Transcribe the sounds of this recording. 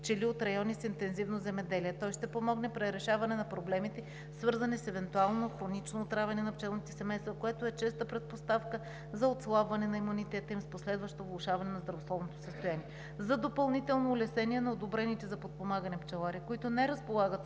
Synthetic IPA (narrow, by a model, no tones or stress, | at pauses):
t͡ʃɛliot̪ɾɐjɔnisint̪ɛnzivnozɛmɛd̪ɛliɛt̪ɔjʃt̪ɛpomɔɡnɛpɾɛɾɛʃavɐnɛnɐpɾoblɛmit̪ɛ | svɤɾzɐnɛsɛvɛnt̪ualˠnoxɾonit͡ʃnoːt̪ɾavʲɐnɛnɐpt͡ʃɛlˠnit̪ɛ̥sɛmɛjst̪vɐkoɛt̪oɛt͡ʃɛst̪əpɾɛt̪̚post̪afkə | zɐot̪slˠabvɐnɛnɐimunit̪ɛt̪əimsposlɛd̪vɐʃt̪ovlˠʊʃavɐnɛnɐzd̪ɾɐvoslˠɔvnot̪o̥səst̪ojaniɛ | zɐd̪opɐlˠnit̪ɛlˠnoːlɛsɛniɛnɐod̪obɾɛnit̪ɛzɐpot̪̚pomaɡənɛpt͡ʃɛlˠaɾiɛkoit̪ʊnɛɾɐspolˠaɡət̪